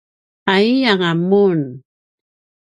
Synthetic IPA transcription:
aiaŋamun

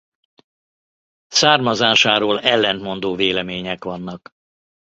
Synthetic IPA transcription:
saːrmɒzaːʃaːɾoːlɛlːɛnt̪mo̞nd̪oːveːlɛmeːɲɛkʋɒnːɒk

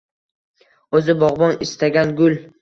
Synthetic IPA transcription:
ɵzɪbɒʁbɒnɪst̪ʰaɡʲanɡʊl

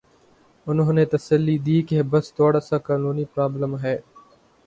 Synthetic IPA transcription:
ʊnɦõnet̪əsəlːid̪iːkebəst̪oːɽasakaːnuːnipɾaːbləmɦɛː

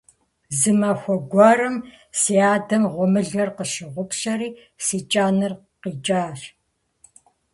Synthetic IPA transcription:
zɨmɐxʷɔɡʷɔɾɨm | siaːdɐmʁʷʊmɨɮɐrqəʃɪʁʷʊpɕɐɾiː | siːt͡ʃʼaːnɨr | qiːt͡ʃʼaːɬ

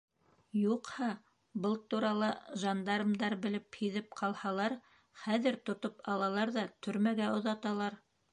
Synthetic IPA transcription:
juqhɑ | bɤlˠt̪uɾɑlˠɤʒɑnd̪ɑɾɤ̆md̪ɑɾbɘ̆lɘphiðɘp̚qʰɑlˠhɑlˠɑɾ | χæðɘɾt̪ŏt̪opɑlˠɑlˠɑɾðɑt̪ʰɵ̆ɾmæɡæʔŏðɑt̪ɑlˠɑɾ

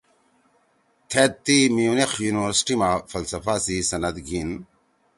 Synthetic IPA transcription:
t̪ʰet̪ːimiunexʰjuːniʋɐɾsi̥ʈimafʰɐlsɐfaːsisɐnɐd̪ɡʱin

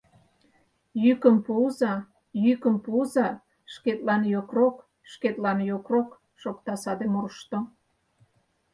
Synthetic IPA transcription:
jykəmpuzɑ | jykəmpuzɑ | ʃket̪lɑnjokrok | ʃket̪lɑnjokrok | ʃokt̪ɑsɑd̪emorʃt̪o

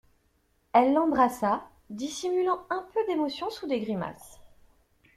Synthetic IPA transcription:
ɛlːɑ̃bʁasa | d̪isimylɑ̃ɛ̃pød̪emɔsjɔ̃sud̪eɡʁima̰s

